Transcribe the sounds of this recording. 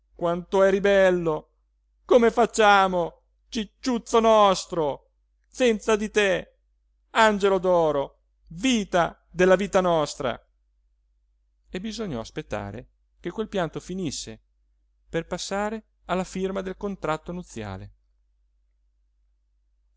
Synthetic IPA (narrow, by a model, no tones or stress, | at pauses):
kwant̪oɛɾibɛlːo | komefat͡ʃːaːmo | t͡ʃit͡ʃːut̪sːonɔst̪ɾo | sɛnt̪sad̪it̪e | and͡ʒelod̪ɔːɾo | viːt̪a | d̪elːaviːt̪anɔst̪ɾa̰ | ebizoɲːɔ̰aspet̪ːa̰ːɾḛ | k̟ekːwelpjant̪ofinisːe | perpasːaːɾe | alːafirmad̪elkont̪ɾat̪ːonut̪sːja̰ːlḛ